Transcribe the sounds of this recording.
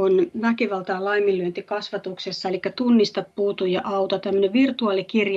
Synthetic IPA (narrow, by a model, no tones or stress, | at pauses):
onʋækiʋɑlt̪ɑːlɑimːilːyønt̪ikɑsʋɑt̪uksesːɑelikːæt̪unːist̪ɑppuːt̪ujɑʔɑut̪ɑt̪æmːø̆neʋʋirt̪uɑːlikirj